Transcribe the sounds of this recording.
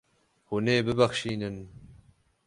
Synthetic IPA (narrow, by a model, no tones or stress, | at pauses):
huneːbɨbaxʃiːnɨn